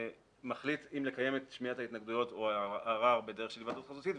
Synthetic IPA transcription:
maχlitimle̞kaje̞metʃmiathait̪naɡd̪ujo̞to̞aaʁaʁbe̞deeʃelvadutχazutit

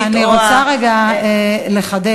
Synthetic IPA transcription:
aniʁot͡saʁeɡa | le̞χad̪e

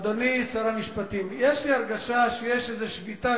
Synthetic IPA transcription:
d̪onisaɾamiʃpat̪imjeʃliaʁɡaʃaʃejeʃezeʃvit̪a

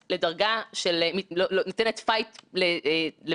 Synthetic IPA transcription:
ledɐʁɡaʃelmilolonotenetfajtlele

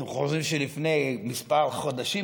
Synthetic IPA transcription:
χozʁimʃelifnejmispalχod̪aʃi

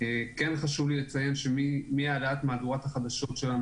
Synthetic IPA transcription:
ekenχaʃuvlilet͡saje̞nʃemimiaaleatmaːd̪uʁat̪haχad̪aʃo̞tʃelan

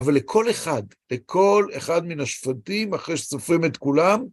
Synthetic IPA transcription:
avalːekʰo̞le̞χadlekʰo̞leχad̪minaʃfatimaχʁejʃe̥sofʁimet̪kulam

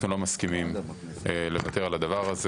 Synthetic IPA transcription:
nulo̞maskimim | ele̞vat̪e̞ʁalad̪avaʁaz

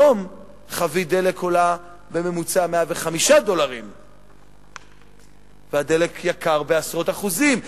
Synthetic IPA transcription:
om | χavid̪e̞le̞kʰola | be̞me̞mut͡sameaveχamiʃad̪o̞laʁim | vead̪e̞le̞kʰjakaʁbeasʁo̞t̪aχuzim

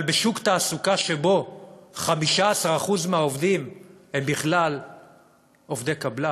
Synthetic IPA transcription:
lbeʃukt̪aːsukaʃebo̞χamiʃaːsaʁaχuzmeaovd̪imhembiχlal | o̞vd̪ekabla

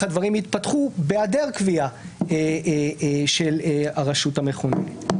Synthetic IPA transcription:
ad̪vɐʁimit̪pɐt̪χubeadeʁkviae | ʃelaʁaʃutameχonḛ

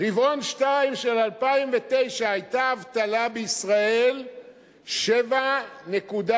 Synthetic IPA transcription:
ʁivo̞nʃtaimʃe̞lalpaimvet̪e̞jʃaajt̪aːvt̪alabeisʁae̞l | ʃe̞vane̞kud̪a

